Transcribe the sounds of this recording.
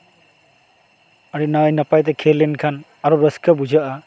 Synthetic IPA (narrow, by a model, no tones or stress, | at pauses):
aɾinajnɐpajtekʰelːenkʰan | aɾɔɾɐskʰabud͡ʒaʔa